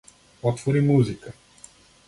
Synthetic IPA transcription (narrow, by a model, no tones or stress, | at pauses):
ɔt̪voɾimuzikə